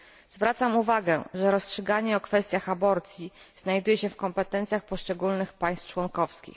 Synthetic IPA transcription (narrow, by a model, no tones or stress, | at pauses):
zvɾat̪samuvaɡɛ̰ʐɛɾɔstʂɘɡaɲɛɔkfɛst̪ʲjaxabɔɾt̪sʲji | z̥najd̪ujɛɕɛfkɔmpɛt̪ɛnt̪sʲjaxpɔʂt͡ʂɛɡulnɘxpaj̃st̪t͡ʂwɔŋkɔfskʲḭx